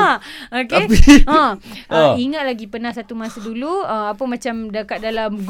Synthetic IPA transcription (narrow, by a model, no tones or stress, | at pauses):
okapiə̃ʔəiŋat̪̚laɡipənãhsat̪umãsaduluəmapəmãt͡ʃamdakat̪̚dalamɡ